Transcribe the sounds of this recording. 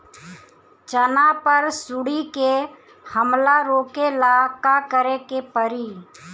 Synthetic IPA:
t͡ʃənapəɾsʊɽike | həmlaɾoːkelakakəɾekepəɾiː

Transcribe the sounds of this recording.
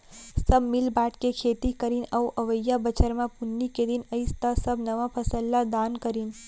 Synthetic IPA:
səbmɪlbaʈkekʰet̪ikəɾinəuʔəʋəjabət͡ʃəɾmãpunːiked̪inəist̪asəbnəʋãpʰəsəlːad̪ankəɾin

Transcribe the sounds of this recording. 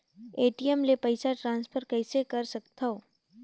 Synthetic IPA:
eːʈiemlepɐɪsaʈɾãːnspʰəɾkɛːsekɐɾsɐk̚t̪ʰaoː

